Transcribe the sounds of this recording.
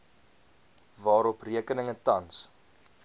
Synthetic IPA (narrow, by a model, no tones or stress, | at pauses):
vɑːɾɔpriəkənəŋətɐns